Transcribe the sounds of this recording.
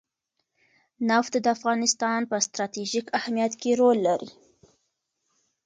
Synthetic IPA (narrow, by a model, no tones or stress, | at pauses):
naft̪d̪əafɣɑnɪst̪ɑnpəst̪ɾɑt̪eʒikahmijat̪keɾolːaɾi